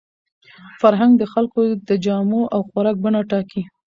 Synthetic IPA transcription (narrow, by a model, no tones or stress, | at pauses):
faɾɦaŋɡd̪əxalkod̪əd͡ʒɑmoʔawxwaɾɑk̚bəɳɑʈɑki